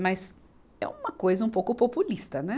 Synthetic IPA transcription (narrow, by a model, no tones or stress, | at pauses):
mɐz | ɛ̰ũmɐkojzɐũpowkʊpopulist̪ɐnɛ